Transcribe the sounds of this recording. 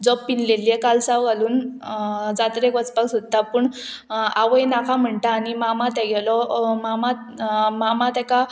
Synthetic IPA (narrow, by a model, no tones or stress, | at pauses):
d͡zɔbːinleliɛkalsawɡʱaluːn | d͡zat̪ɾekʋət͡spaksod̪̚t̪apuːɳaʋəjnakʰam̤əɳt̪aːnimamat̪ɛɡʱɛlɔmamat̪ | mamat̪ɛka